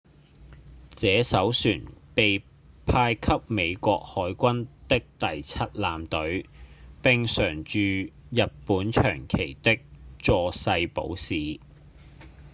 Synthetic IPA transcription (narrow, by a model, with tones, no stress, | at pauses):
t͡sɛː˨˥sɐ˨˥wsyː˨˩npe˨j | pʰaː˧jkʰɐ˥p̚me˨˧jkʷɔː˧k̚hɔː˨˥jkʷɐ˥nt̪ɪ˥k̚t̪ɐ˨jt͡sʰɐ˥t̚laː˨mt̪ɵ˨˥ɥpɪ˨ŋsœː˨˩ŋt͡ʃyː˨˧jɐ˨ppːuː˨˥nt͡ʃʰœ̰ː˨˩ŋkʰe˨˩jt̪ɪ˥k̚t͡sɔː˨˧sɐ˧jpo̰˨˥wsiː˨